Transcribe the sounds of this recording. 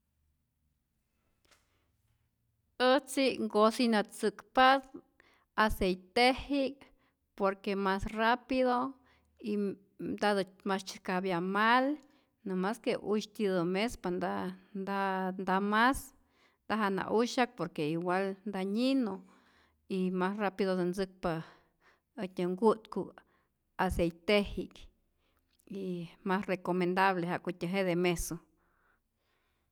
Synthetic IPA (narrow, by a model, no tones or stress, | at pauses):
ət͡siʔŋɡosinat͡sɨkpas | asejt̪ehik | poɾkemasrapiðo | i | d̪ad̪mast͡ʃkabjamal | namaskeʔuʃt̪id̪omespand̪and̪and̪amas | d̪̥aɦaʔna̰ʔuʃak̚poɾkeiɡalnd̪aɲino | imasrapid̪od̪onzɨk̚pa | at̪ʲaŋɡut̪ku | asejt̪ehik | imasrekomend̪aβleɦakut̪ʲaɦed̪emeso